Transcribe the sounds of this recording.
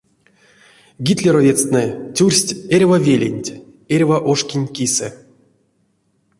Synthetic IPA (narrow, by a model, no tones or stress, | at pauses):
ɡʲit̪ʲlʲeɾovʲet͡s̪t̪nɛtʲurʲsʲtʲeɾʲvavʲelʲḛnʲtʲ | erʲvaʔoʂkʲinʲkʲisɛ̰